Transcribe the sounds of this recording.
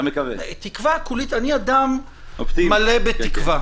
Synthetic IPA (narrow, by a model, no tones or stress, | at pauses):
mekɐvḛt̪ikvakulit̪aniad̪am | opt̪malebet̪ikva